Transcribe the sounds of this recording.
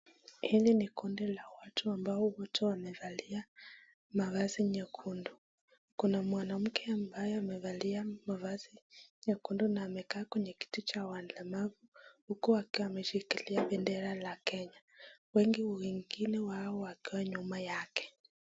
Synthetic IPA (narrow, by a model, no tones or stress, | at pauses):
hilinikundilawatuambaɔwɔtʰɛwamɛðalia | mavaziɲɛkʰundu | kunamwanam̩kʰɛambajɔamɛvaliamavaziɲɛkundunaːmɛkaːkwɛɲɛki̥tut͡ʃawanlɛmavuhukuakiamɛʃikiliaɓɛndɛɾalakɛɲa | wɛŋɡiwiŋɡinɛwaɔwakiwaɲumajakɛ̥